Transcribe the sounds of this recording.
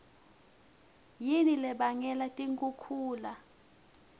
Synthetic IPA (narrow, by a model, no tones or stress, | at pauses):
jinilɛɓaŋɛlatʼiŋkʼukʰuːla